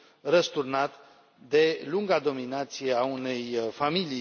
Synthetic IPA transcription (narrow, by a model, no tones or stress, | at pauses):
rəst̪urnat̪ | d̪e̞luŋɡad̪o̞minat̪sije̞aune̞jfamili